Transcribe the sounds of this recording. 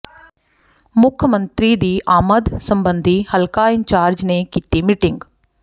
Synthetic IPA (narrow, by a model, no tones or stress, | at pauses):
mʊkʰjəmənt̪ɾiːd̪iːʔaːməd̪səmbənd̪ʱihəlkaːɪɲt͡ʃaːɾd͡ʒnekiːt̪iːmɪʈɪŋɡ